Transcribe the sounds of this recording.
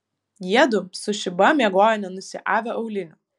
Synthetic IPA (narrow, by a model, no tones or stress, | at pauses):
jiɛd̪ʊsʊʃʲɪbɐmʲiɛɡoːjɛnʲɛnʊsʲɪʔaːʋʲɛʔɔʊlʲɪnʲɐ